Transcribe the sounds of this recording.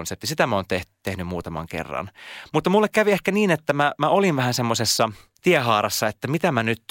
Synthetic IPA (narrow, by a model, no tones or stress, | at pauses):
nsep̚t̪isit̪æmæoːnt̪eht̪ːehnymmuːt̪ɑmɑ̰ŋkḛrːɑ̰nmut̪ːɑmulːekkæʋiehkæniːnet̪ːæmæmæolinʋæhænsemːosesːɑ | t̪ieɦɑːrɑsːɑet̪ːæmit̪æmænyt̪ː